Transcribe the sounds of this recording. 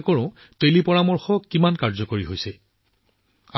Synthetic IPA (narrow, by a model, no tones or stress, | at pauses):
kɔɹʊ̃ | telipɔɹamɔɹxɔkːimankaɹzɔkoɹiɦojsɛ | a